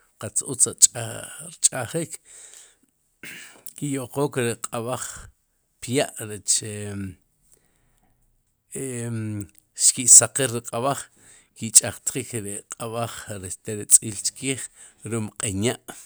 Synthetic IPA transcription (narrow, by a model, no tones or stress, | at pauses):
qat͡sut͡sʼ | ɾt͡ʃʼaχik | kijoqoːkɾeqʼaβaχ | pjaʔɾet͡ʃe | e | ʃkiʔsaqiɾɾiqʼaβaχ | kit͡ʃʼaχt̪χikɾiqʼaβaχɾeʃt̪eɾit͡sʼiːlt͡ʃkiːχ | ɾumqʼiɲaʔ